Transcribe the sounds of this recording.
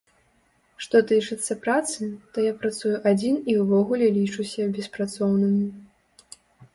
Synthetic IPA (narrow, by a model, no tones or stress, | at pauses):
ʂt̪ɔt̪ɨt͡ʂɨt̪sːɐpɾat̪sɨt̪ɔjapɾat̪sujuʔad͡zʲiniwvɔɣulʲɛlʲit͡ʂusʲɐbʲɛspɾat̪sɔwnɨmʲi